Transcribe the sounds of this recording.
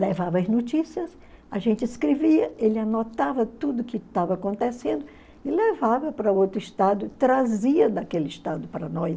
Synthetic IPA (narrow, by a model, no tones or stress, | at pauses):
levavɐɐznot͡ʃisiɐs | aʒẽnt͡ʃɪɪskɾeviɐelɪanɔt̪avɐt̪ud̪ʊkɪt̪avɐakõnt̪esẽnd̪ʊ | ɪlevavɐpɾɐowt̪ɾʊɪʃt̪ad̪ʊt̪ɾaziɐd̪ɐkelɪʃt̪ad̪ʊpɾɐnɔ